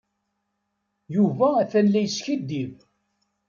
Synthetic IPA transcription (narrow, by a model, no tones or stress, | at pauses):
juvæːθænlæjsçid̪ːiv